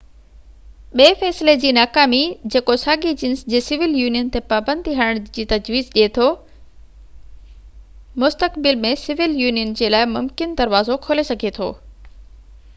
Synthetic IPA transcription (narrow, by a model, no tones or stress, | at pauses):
ɓeːfɛːsɪled͡ʑiːnaːkaːmid͡ʑeːkosaːɡid͡ʑɪnsd͡ʑeːsɪʋɪljuːnijənt̪epaːbə̃nd̪ʱiɦɐɽ̃əɽ̃d͡ʑiːt̪ɐd͡ʑʋiːzʄiet̪ʰoː | mʊst̪əkbɪlmẽsɪʋɪljuːnijənd͡ʑeːlaːɪmʊmkɪnd̪ɐɾʋaːzokʰoːlesɐɡʱet̪ʰo̰ː